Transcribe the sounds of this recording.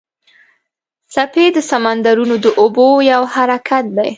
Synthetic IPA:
saped̪əsamand̪aɾunod̪əʔobojawhaɾakʰat̪̚d̪aj

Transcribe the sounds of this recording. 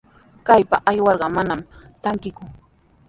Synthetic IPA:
kajpaʔajwɑɾɢɑmanamt̪aŋkɪkʊ

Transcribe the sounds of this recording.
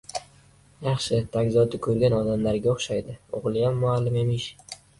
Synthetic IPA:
jɑχʃɪt̪ʰakʲzɒd̪akʰɵɾɡʲanɒd̪amlaɾɡʲaoχʃajd̪ɪoʁlˠɪjamːʊalːɪme̞mɪʃ

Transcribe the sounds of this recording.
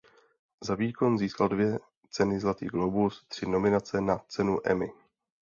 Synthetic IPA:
zaviːko̞nziːskaldvjɛ | t͡sɛnɪzlat̪ḭːɡlowbust̪r̥ɪno̞mɪnat͡sɛnat͡sɛnuʔɛ̰mɪ

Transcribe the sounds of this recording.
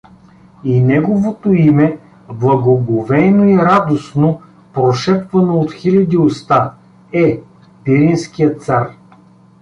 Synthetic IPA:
inɛɡovot̪oimɛ | blˠɐɡoɡovɛnoiɾad̪osno | pɾoʃɛpvɐnoot̪xilʲɐd̪iost̪a | ɛ | piɾinskijət̪saɾ

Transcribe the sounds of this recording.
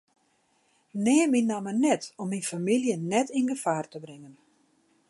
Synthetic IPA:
nɛːminamənɛtɔmːinfamiljənɛtinɡəfaːrtəbrɪŋən

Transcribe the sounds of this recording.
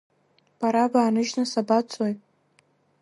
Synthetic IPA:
b̥aɾavaːnɨʒnasabat͡sʼojʼ

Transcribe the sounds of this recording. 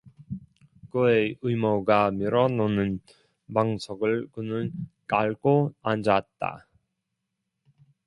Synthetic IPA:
kɯeɯjmʌɡamiɾʌnonɯn | paŋsʰʌɡɯɭkɯnɯnk͈aɭɡoand͡ʑat̚t͈a̰

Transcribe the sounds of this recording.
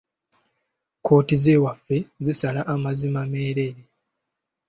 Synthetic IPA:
ko̞ːtize̞ːwafːe̞zisalaʔamazimame̞ːɾe̞ɾe

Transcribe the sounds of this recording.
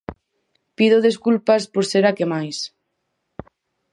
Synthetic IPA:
piðoðeskulpaspoɾseɾakemajs

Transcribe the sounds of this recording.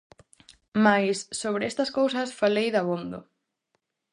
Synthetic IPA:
majsːoβ̞ɾeɛst̪ɐskowsɐsfalejðaβond̪ʊ̰

